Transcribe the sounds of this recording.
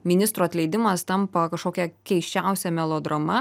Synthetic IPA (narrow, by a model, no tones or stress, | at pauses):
mʲɪnʲɪst̪ɾuːɐt̪ʲlʲɛɪd̪ʲɪmɐst̪ɐmpɐkɐʃkoːkʲɛkʲɛɪʃʲt͡ʃʲæˑʊsʲɛmʲɛlˠoːd̪ɾɐmɐ